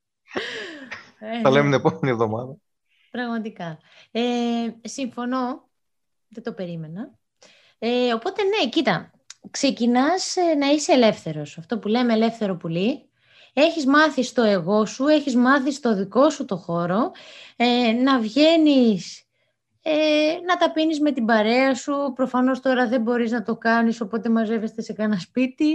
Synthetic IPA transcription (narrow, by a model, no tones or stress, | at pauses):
eθɐlemet̪nepomenievðo̞mɐ̰ðɐ | pɾɐɣmɐt̪ikɐ | esiɱfo̞no̞ | ðet̪o̞pe̞ɾime̞nɐ | eo̞po̞t̪e̞ne̞cit̪ɐ | kse̞cinɐsnɐiseːle̞fθe̞ɾo̞sɐft̪o̞pule̞meːle̞fθe̞ɾo̞puli | e̞çizmɐθist̪o̞e̞ɣo̞sue̞çizmɐθist̪o̞ðiko̞sut̪o̞xo̞ɾo̞enɐvʝe̞nis | enɐt̪ɐpinizme̞t̪ibɐɾe̞ɐsupɾo̞fɐno̞st̪o̞ɾɐðe̞bo̞ɾiznɐt̪o̞kɐniso̞po̞t̪e̞mɐze̞ve̞st̪ese̞kɐnɐspit̪i